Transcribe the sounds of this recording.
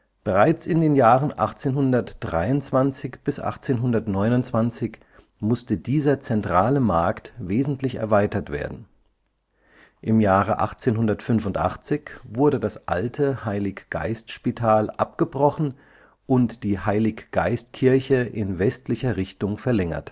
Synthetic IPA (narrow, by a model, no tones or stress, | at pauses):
b̥əʁaɪt͡sɪndeːnjaːʁənʔa̰χt͡seːnɦʊndɐtd̥ʁaɪʊnt͡sv̥ant͡sɪçb̥ɪsʔa̰χt͡seːnɦʊndɐtnɔʏnʊnt͡sv̥ant͡sɪç | mʊstədiːzɐt͡sɛntʁ̥aːləmaɐktveːzn̩tlɪçɛ̰ɐvaɪtɐtv̥ḛːɐdn̩ | ʔɪmjaːʁ̞əʔa̰χt͡seːnɦʊndɐtfʏnfʊntʔa̰χt͡sɪçv̥ʊɐdədasʔa̰ltʰəhaɪlɪkɡ̥a̰ɪstʃpitʰaːlʔa̰p̚ɡ̥əbʁɔχn̩ | ʔʊntd̥iːhaɪlɪkɡ̥a̰ɪstkʰɪɐçəʔɪnvɛstlɪçɐʁɪçtʊŋfɛɐlɛŋɐ̰t